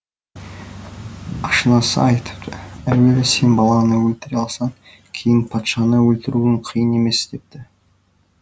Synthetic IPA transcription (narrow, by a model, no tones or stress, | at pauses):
ɑʃənɑsə̰ɑjt̪ʰə̥pt̪əæwelese̞nbɑlˠɑnəwɵlt̪ɪɾɑlˠsɑŋ | kʲʰe̞jɪnpʰɑt̪ʃɑnəwɵlt̪ɪɾuɪɴqʰijəne̞me̞st̪e̞p̚t̪ɪ